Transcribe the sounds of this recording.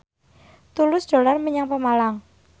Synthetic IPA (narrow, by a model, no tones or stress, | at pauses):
t̪ulʊsd̪̥o̤larməɲaŋpəmalaŋ